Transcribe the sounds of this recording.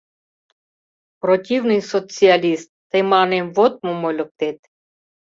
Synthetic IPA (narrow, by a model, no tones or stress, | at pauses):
protʲivnɨjsot͡sɨalʲist̪ːemɑnemvot̪̚mumolʲək̚t̪et̪